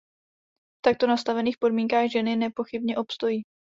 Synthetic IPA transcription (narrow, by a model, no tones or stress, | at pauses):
t̪ak̚t̪o̞nast̪avɛniːxfpo̞dmiːŋkaːɣʒɛnɪnɛpo̞xɪbɲɛʔo̞pst̪o̞jiː